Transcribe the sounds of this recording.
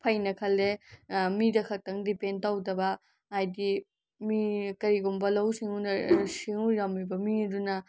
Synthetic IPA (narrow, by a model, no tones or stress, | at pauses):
pʰɐjnɐkʰɐlːemidɐkʰɐk̚tɐŋdipen̚tawdɐbɐ | ajdi | mikɐɾiɡumbɐlɐwsiŋunɐsiŋuɾɐmibɐmidunɐ